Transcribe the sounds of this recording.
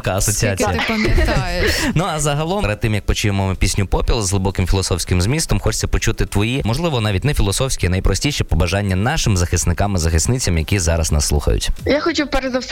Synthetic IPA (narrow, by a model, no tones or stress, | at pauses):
kaɐsɔt͡sʲiat͡sʲijɐɐmʲɛjnuɐzɐɦɐlˠɔmɾɪd̪̚t̪ːɪmjɐk̚pɔt͡ʃujemɔmɪpʲisʲnʲʊpɔpʲilˠzɦlˠɪbɔkɪmfʲɪlˠɔsɔwsʲkɪmzmʲist̪ɔmxɔt͡ʃt͡sʲsʲɐpɔt͡ʃut̪ɪt̪ʋɔjimɔʒlˠɪʋɔnɑʋʲitʲnɛfʲilˠɔsɔwsʲkʲiɐnɐjpɾɔsʲtʲiʃɛpɔbɐʒɑnʲːɐnɑʃɪmzɐxɪsnɪkɑmɪzɐxɪsnɪt͡sʲɐmjɐkʲizɑɾɐ̰snɐ̰sːlˠṵxɐ̰jʊ̰tʲjaxɔt͡ʃupɛɾezɐs